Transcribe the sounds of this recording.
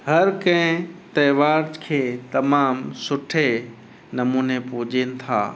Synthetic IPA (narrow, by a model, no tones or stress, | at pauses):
hɐɾkɐ̃ɦɪ̃t̪ɐːʋaːɾd͡ʒkʰeːt̪ɐmaːmsʊʈʰe | nɐmuːnepʊɦd͡ʑeːnɪ̆t̪ʰa̰ː